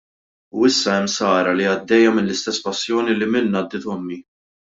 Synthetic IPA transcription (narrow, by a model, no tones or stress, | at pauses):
uɪsːɐɛmːsɐːɾɐliɐd̪ːɛjːɐmɪnlɪst̪ɛsːpɐsːjɔːnilɪmɪnːɐd̪ːɪt̪ɔmːi